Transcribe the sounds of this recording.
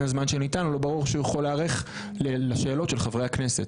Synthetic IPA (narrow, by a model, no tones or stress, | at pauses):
azmanʃenitanolo̞baʁuʁʃeujeχoleaʁeχ | lelaʃeːlo̞tʃe̞lχavʁejhakne̞set